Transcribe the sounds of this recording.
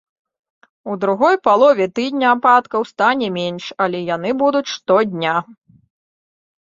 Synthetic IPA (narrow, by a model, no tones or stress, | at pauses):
ud̪ɾuɣɔjpalˠɔvʲɛt̪ɨd̪ʲnʲɐapat̪kɐwst̪anʲɛmʲɛnʂɐlʲɛjanɨbud̪ut͡sʲʂt̪ɔd̪ʲnʲa